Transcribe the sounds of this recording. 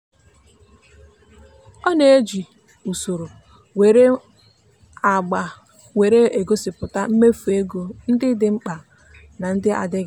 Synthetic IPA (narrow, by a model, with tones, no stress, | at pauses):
ɔ˦ne˨e˦d͡ʒi˨ | u˨so˨ɾo˨ | we˨ɾe˦ | a˨ɡ͡ba˨ | we˨ɾe˦e˨ɡo˦sɪ˨pʊ˨ta˦m̩˦me˦fu˨e˦ɡo˨n̩˦dɪ˦dɪ˦ŋ͡m̩˦k͡pa˨ | na˨n̩˦dɪ˦ʔa̰˨dɪ˦ɡ